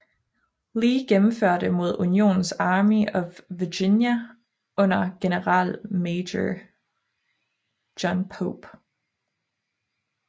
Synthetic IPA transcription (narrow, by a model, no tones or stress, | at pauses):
liːɡ̥emm̩føɐ̰d̥əmo̝ð̞ˠunijo̝̰ːnn̩sɑ̈ːmiɒ̽ʋiɡ̥injæ | ʔɔ̽n̰ɐɡ̥e̝nəʁɑ̰̈ːlmeɪdə | ɒnpʰob̥